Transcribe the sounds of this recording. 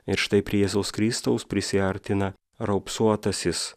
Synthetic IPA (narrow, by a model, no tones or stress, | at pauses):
ɪɾʃt̪ɐɪpʲɾʲiɛjɛzɐʊskɾʲɪst̪ɐʊspʲɾʲɪsʲɪɐɾʲt̪ʲɪnɐ | ɾɐʊpsuɔt̪ɐsʲɪs